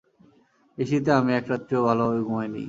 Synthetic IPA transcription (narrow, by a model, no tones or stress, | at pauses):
eʃit̪̬eamiɛkɾat̪ːɾobʱaloojɡuɦajnḭ